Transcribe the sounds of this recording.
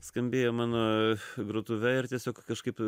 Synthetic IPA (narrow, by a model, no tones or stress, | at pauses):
skɐmʲbʲeːjomɑːnoːɡɾot̪ʊʋʲɛɪrt̪ʲiɛsʲoːkkɐʃkɐɪp